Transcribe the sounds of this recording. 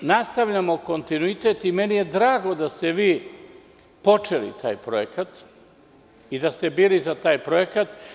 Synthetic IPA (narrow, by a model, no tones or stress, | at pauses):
nast̪aʋʎamo̞ko̞nt̪inuit̪e̞t̪imenije̞d̪ɾaːɡo̞d̪ast̪eʋiː | po̞t͡ʂelḭt̪ʰa̰ːjpɾoekat̪ | id̪ast̪ebiːlizat̪aːjpɾoekat̪